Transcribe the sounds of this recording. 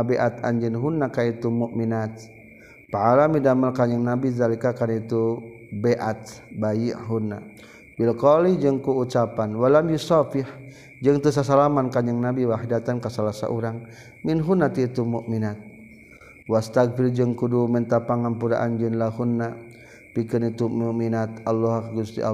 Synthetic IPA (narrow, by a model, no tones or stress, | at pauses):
abɛʔat̪a̰ɲd͡ʒɪnɦunːakait̪umuʔminat̪̚ | paalamidamalkaɲəŋnabizalikakanit̪u | bɛʔat̪bajiʔɦunːa̰ | bilkɔlid͡ʒɨŋkuːt͡ʃapanwalamjusafɪh | d͡ʒəŋt̪us̬as̬alamankaɲəŋnabiwaɦdat̪ankasalasa̰ʔuɾaŋ | minɦunat̪it̪umuʔminat̪̚ | wast̪aɡ̚fɪrd͡ʒɨŋkudumənt̪apaŋampuɾa̰ʔand͡ʒənlaɦunːa | pikənit̪umuʔminat̪alːɔɦakaɡunst̪ḭʔa̰